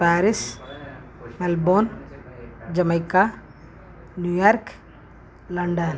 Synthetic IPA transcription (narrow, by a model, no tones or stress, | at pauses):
pæːɾɪs | mɛlboːn | d͡ʒɐmɐɪkːa | njujaːɾk | lɐɳɖɐn